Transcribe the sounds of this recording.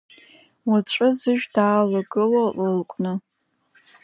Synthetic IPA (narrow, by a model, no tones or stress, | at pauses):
waʈ͡ʂʷʼɨzɨʒᶣdaːlaɡɨloləlkʷʼnɨ